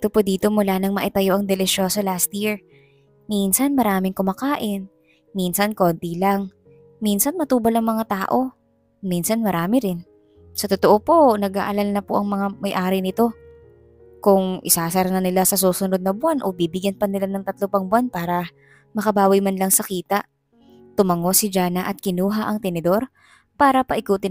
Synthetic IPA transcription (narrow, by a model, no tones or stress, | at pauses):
ɪt̪opod̪iːt̪o̞mʊlaːnɐŋmɐʔɪt̪ɐjo̞ʔɐŋd̪ɛlɪʃo̞ːso̞last̪jiɹ | minsɐnmɐɾaːmɪŋkʊmakaːʔɪn | minsɐnko̞ːnt̪ilaŋ | minsɐnmɐt̪uːbɐlɐŋmɐŋat̪aːʔo̞ | minsɐnmɐɾaːmɪɾɪn | sɐt̪ot̪oʔopo̞nɐɡa̰ːʔɐlalnɐpoʔɐŋmɐŋamɐjʔaːɾɪnɪt̪o̞ | kʊŋʔɪ̰saːsɐɾɐnɐnɪlasɐsuːsʊnod̪̚nɐbʊanʔo̞biːbɪɡjɐnpɐnɪlanɐŋt̪ɐt̪lopɐŋbʊwanpaːɾɐ | mɐkɐbaːwɐjmanlɐŋsɐkiːt̪ɐʔ | t̪ʊmɐŋo̞sɪd͡ʒaːnɐʔɐt̪̚kɪnuːɦaʔɐŋt̪ɛnɛd̪o̞ɾ | paːɾɐpɐʔɪkuːt̪ɪ